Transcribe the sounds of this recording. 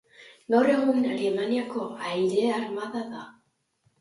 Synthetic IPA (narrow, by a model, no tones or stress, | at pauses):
noreɣunalemanjakoaiʎeaɾmaðaða